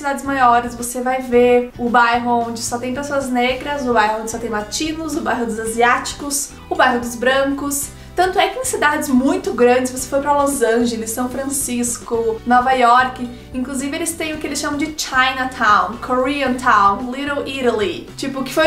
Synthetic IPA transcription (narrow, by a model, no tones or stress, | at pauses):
sid̪ad͡ʒɪzmajɔɾɪsvosevajveʊbajɦʊõd͡ʒɪsɔt̪ẽj̃pesoɐzneɡɾɐzʊbajɦʊ̃d͡ʒ̪ɪsɔt̪ẽj̃mat͡ʃĩnʊzʊbajɦʊd̪ʊzaziat͡ʃi̥kʊs | ʊbajɦʊd̪ʊzbɾɐ̃kʊs | t̪ɐ̃nt̪ʊɛkɪẽsid̪ad͡ʒɪzmũj̃t̪ʊɡɾɐ̃nd͡ʒɪsvose̥fojpɾɐlozɐ̃ʒelɪsːɐ̃w̃fɾɐ̃siskʊnɔvajɔɾkɪ | ĩŋkluzivɪelɪst̪ẽj̃ʊkɪelɪsʃɐ̃mɐ̃w̃d͡ʒɪt͡ʃajnɐt̪ʰãw̃kʰoɾiɐ̃nt̪ʰãw̃nliɾõwiɾɐlit͡ʃipʊkɪ̥foj